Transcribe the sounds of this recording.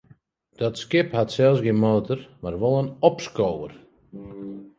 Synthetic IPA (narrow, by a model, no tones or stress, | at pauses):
d̥ɔtskɪphatsɛlˠsɡenmoːtʰərmarʋolˠənɔpskoːwə̰r